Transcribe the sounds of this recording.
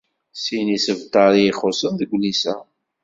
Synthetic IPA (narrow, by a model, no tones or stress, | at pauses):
sinisəvt̪ɑɾˤijiχosənðəɡʷlisæ